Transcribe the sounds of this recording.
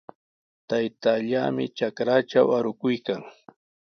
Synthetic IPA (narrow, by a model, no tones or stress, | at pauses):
t̪ajt̪aʎaːmɪ̰t͡ʃakɾat͡ʃawaɾʊkʊjkaŋ